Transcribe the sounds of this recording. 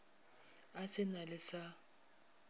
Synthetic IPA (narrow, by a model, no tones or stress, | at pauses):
asɪnalɪsa